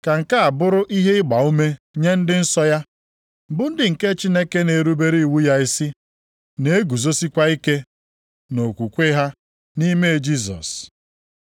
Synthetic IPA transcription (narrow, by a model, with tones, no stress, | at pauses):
ka˨ŋ̩˨ka˦a˨bʊ˦ɾʊ˦ʔi˦ɦe˦ɪ˦ɡ͡ba˨u˦me˦ | ɲe˦n̩˦dɪ˦n̩˦sɔ˦ja˦ | bʊ˨˦n̩˦dɪ˨ŋ̩˨ke˦t͡ʃi˦ne˦ke˦ne˨ɾu˦be˦ɾi˦i˨wu˦ja˦i˦si˦ | ne˦e˦ɡu˨zo˦si˦kʷa˦i˦ke˦ | no˨kʷu˨kʷe˦ɦa˦ | ni˦me˦˨d͡ʒi˦zɔ̰˨s